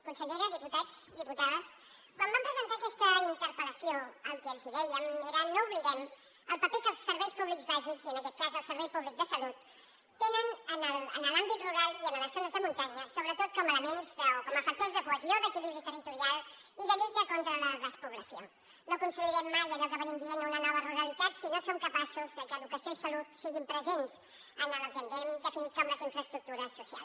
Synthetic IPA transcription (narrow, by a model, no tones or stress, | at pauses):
əkunsəʎɛɾəðiput̪azd̪iput̪aðəs | pambampɾəzənt̪akɛst̪əint̪əɾpələsioəŋkəːkziðɛjəmeɾənouβliɣɛm | əlˠpəpekəlˠsːəɾβɛjspuβlikzβaʒikziənəkɛt̪̚kazəlˠsəɾβɛjpuβlik̚d̪əsəlut̪ː | enənənələ̰nəlambit̪ruɾalˠiənələzonəzðəmunt̪aɲəsoβɾət̪ot̪kɔmələmenzðəokɔməfək̚t̪ozðəkuəzioðəkiliβɾit̪ərit̪uɾialˠ | iðəʎujt̪əkont̪ɾələðəspuβləsio | nokunsumiɾɛmːajəʎɔkəβənimd̪ienunənɔβ̞əruɾəlit̪at̪sinosomkəpasuzðəkəːðukəsionsəlut̪siɣimpɾəzenz | ənələt̪ənd̪ɛmd̪əfinit̪kamləziɱfɾəst̪ɾuk̚t̪uɾəsːusia̰lˠs